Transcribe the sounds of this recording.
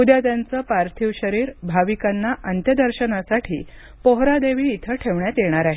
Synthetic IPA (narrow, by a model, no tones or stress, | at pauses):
ud̪jat̪jant͡səːpaɾt̪ʰiʋɕəɾiːɾbʱaʋikanːaʔənt̪jəd̪əɾɕənasaʈʰḭː | poɦɾad̪eʋiːt̪ʰəʈʰeʋɳjat̪jeɳ̃aɾaɦe